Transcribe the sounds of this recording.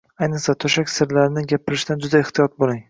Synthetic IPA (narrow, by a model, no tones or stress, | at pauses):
ajnɨχsat̪ʰɵʃakʲsɪɾlaɾɪnɪɡʲapʰɪɾɪʃd̪and͡ʒʊd̪aɪht̪ʰijɒt̪̚bolˠɪŋ